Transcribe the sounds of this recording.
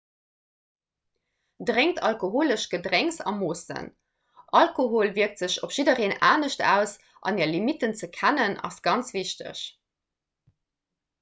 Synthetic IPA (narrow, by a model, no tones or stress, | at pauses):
dʁeŋtʰɑlkoɦoːləʃɡ̥ədʁɛŋsɑ̰moːsə̰n | ʔɑlkoɦoːlviək̚tz̥əɕopʃidəʁeːnaːnəɕtʰæ̰ːʊs | ʔɑ̰niːɐlimitənt͡səkʰænənɑ̰sɡ̥ɑnt͡sv̥iɕtə̰ɕ